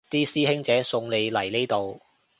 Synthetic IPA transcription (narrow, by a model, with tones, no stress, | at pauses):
t̪iː˥siː˥ɦɪ˥ŋt͡sɛː˨˥sʊ˧ŋle˨˧jlɐ˨˩jnle˥jt̪o˨w